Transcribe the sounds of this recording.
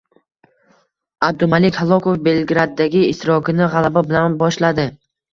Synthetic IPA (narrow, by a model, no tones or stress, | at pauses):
ab̚d̪ʊmalɪkʲhalˠɒkofbe̞lɡɾad̪ːaɡʲɪːʃt̪ɪɾɒkʲʰɪnɪʁalˠababɪlanbɒʃlad̪ɪ